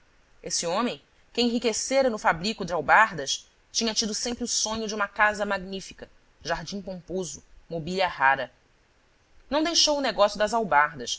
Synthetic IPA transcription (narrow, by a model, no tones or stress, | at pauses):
esɪõmẽj̃ | kɪẽɦikeseɾɐnʊfabɾikʊd͡ʒɪawbaɾd̪ɐʃ | t͡ʃĩɲɐt͡ʃid̪ʊsẽmpɾɪʊsõɲʊd͡ʒũmɐkazɐmaɡnifikɐ | ʒaɾd͡ʒĩŋ̃põmpozʊmobiʎɐhaɾɐ | nɐ̃w̃d̪ejʃowʊneɡɔsjud̪ɐzawbaɦd̪ɐʃ